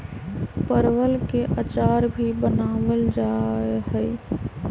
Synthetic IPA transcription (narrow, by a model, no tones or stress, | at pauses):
pəɾwəlkeʔət͡ʃaːɾbʱibənaːʋəld͡ʒaɦɛː